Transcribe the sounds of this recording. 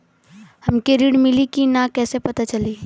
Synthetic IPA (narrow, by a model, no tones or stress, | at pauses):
hɐmkeɾiːɽmɪlikinakɛːsepɐt̪at͡ʃɐliː